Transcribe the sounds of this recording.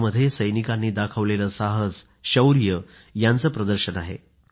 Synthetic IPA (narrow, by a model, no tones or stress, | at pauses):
məd̪ʱːjesəjnikanːiːd̪akʰəʋleləsaɦəd͡z | ɕəwɾijə | jant͡səːpɾəd̪əɾɕənaɦḛ